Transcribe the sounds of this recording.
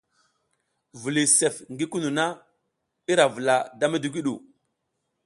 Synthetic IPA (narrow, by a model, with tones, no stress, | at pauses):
vu˨li˨se˨fŋɡi˦ku˦nu˨na˦ | i˦ɾa˨və˨la˨da˦me˦du˨ɡi˦ɗṵ˨